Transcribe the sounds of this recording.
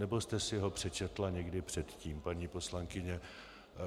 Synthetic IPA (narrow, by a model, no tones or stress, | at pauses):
nɛbo̞st̪ɛsɪɦo̞pr̝̥ɛt͡ʃɛt̪laɲɛɡdɪpr̝̥ɛt̪ciːmpaɲiːpo̞slaŋkɪɲɛ